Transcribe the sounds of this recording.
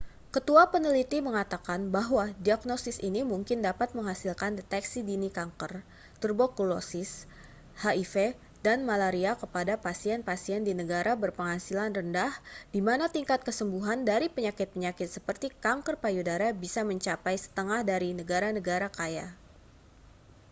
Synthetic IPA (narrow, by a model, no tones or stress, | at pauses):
kət̪uapənəlit̪iməŋat̪akanbaɦwadiaɡnosɪsinimuŋkɪndapat̪̚məŋɦasilkandet̪ɛksidinikaŋkər | t̪ərbokulosɪs | haife | danmalaɾiakəpadapasiɛnpasiɛndinəɡaɾabərpəŋɦasilanrəndahdimanat̪iŋkat̪̚kəsəmbuɦandaɾipəɲakɪt̪̚pəɲakɪt̪səpərt̪ikaŋkərpajudaɾabisaməɲt͡ʃapajsə̥t̪əŋahdaɾinəɡaɾanəɡaɾakaja̰